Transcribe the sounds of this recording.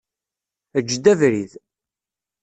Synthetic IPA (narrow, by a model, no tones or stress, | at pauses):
əd͡ʒːd̪ævɾið